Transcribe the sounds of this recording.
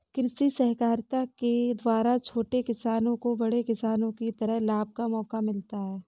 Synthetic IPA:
kɪɾɪsisɛɦkaːɾt̪aked̪waːɾat͡ʃʰoːʈekɪsaːnõkobɐɽekɪsaːnõkit̪ɐɾəɦlaːb̚kamɔːkamɪlt̪aɦɛː

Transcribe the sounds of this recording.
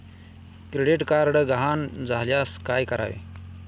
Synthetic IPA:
kɾeɽiʈkaɾɽɡəɦand͡zʱaljaskajkəɾa̰ʋḛ

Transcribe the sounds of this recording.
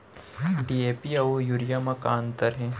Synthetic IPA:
ɖiepiɐojuɾijamakaːnt̪əɾɦɛ̃ː

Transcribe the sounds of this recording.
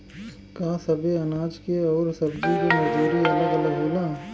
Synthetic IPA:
kasɐbʱeɐnaːd͡ʒkeɔːɾsɐbd͡ʒikimɐd͡ʒuːɾiɐləɡɐləɡɦoːlaː

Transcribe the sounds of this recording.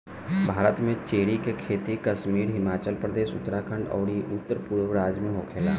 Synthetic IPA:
bʱaːɾət̪mẽt͡ʃeːɽikekʰeːt̪ikɐʃmiːɾɦɪmaːt͡ʃəlpɾəd̪eːʃʊ̰t̪ːəɾaːkʰə̃ɳɖɔ̰ːɽiʔʊt̪ːəɾpuːɾʋɾaːd͡ʒmẽɦoːkʰeːla̰ː

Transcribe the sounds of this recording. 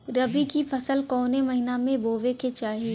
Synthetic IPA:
ɾɐbikifɐsəlkɔːnemɐɦɪnamẽboːʋeket͡ʃaːɦi

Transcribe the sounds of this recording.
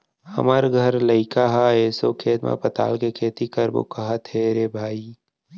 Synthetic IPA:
hɐ̰məɾɡʱɐɾlɐɪkaɦaeːsokʰeːt̪mã̰pɐt̪a̰ːlkekʰeːt̪ikɐɾbṵkɐɦat̪ʰeːɾebʱaːiː

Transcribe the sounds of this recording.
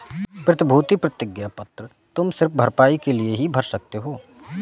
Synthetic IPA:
pɾɐt̪ɪbʱuːt̪ipɾɐt̪ɪɡjapɐt̪ɾə | t̪ʊmsɪɾfbʱɐɾpaːikelieɦibʱɐɾsɐk̚t̪eɦoː

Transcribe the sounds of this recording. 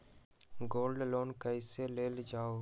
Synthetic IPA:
ɡoːlɖloːnkəɪseleːld͡ʒaːo

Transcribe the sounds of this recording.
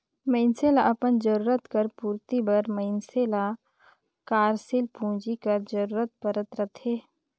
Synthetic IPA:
mə̃ɪnseːlaʔɐpənd͡ʒəɾuːɾət̪kəɾpuːɾt̪ibəɾməɪnseːla | kaːɾsɪlpũːd͡ʒikəɾd͡ʒəɾuːɾət̪̚pəɾət̪ɾət̪ɦeː

